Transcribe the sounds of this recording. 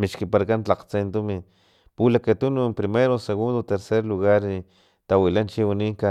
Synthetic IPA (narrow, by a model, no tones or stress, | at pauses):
miʃkipaɾakant͡ɬaqt͡sent̪umi | pulakat̪unoempɾimeɾoseɣund̪ot̪eɾseɾluɣaɾi | t̪awilant͡ʃiwiniŋka